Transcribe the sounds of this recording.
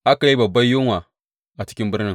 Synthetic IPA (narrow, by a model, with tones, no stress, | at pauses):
ʔa˦ka˨ji˦bɐ˨bːa˦jːu˦ŋwa˨ | a˨t͡ʃi̥˦kʲi˦mbʊ˦ɾnɪ˨ŋ